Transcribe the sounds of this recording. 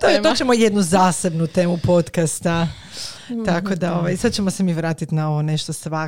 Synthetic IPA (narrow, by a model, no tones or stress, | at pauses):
t̪ot̪ot͡ʃemojed̪nuzaːse̞bnut̪e̞ːmupo̞t̪kast̪a | t̪ako̞d̪aoʋajsad̪t͡ɕe̞mosemiʋɾaːt̪it̪nao̞ʋone̞ʃt̪osʋa